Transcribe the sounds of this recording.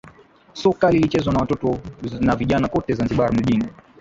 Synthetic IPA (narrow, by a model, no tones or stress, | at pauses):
sɔkalilit͡ʃɛzwanawatɔtɔnaviʄanakɔtɛzanziɓaɾam̩ʄini